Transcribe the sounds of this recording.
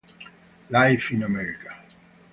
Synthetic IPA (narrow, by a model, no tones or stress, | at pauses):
laɪfĩnəmɛɹika